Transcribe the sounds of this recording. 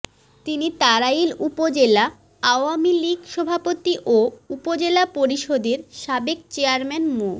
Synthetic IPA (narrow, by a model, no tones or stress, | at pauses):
t̪init̪aɾailupod͡ʑela | aoamiliɡʃɔbʱapot̪iʔoupod͡ʑelapoɾiʃod̪eɾʃabek̚t͡ɕeaɾmɛnmo